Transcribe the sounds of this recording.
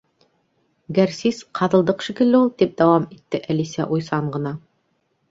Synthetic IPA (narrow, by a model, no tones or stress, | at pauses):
ɡæɾsisqʰɑðɤ̆lˠd̪ɤqʃikɘ̆lːɘulˠd̪ip̚d̪æwɑmit̪ːɘʔælisæʔujsɑɴɢɤ̆nɑ